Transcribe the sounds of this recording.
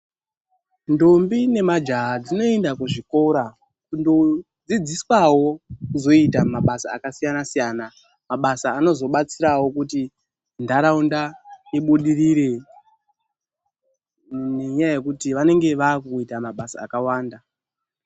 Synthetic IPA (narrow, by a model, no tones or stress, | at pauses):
ndo̞mbine̞mad͡ʒad͡zino̞e̞ndakuʐiko̞ɾa | kundo | d͡zid͡ziswawo̞kuzo̞itamaɓasa̰ːkasijanasijaːna | maɓasaːno̞zo̞ɓat͡siɾawo̞kuti | ndaɾaundaiɓuɗiriɾe̞ | ne̞ɲajaje̞kutiʋane̞ŋɡe̞ʋaːkuitamaɓasa̰ːkawaːnda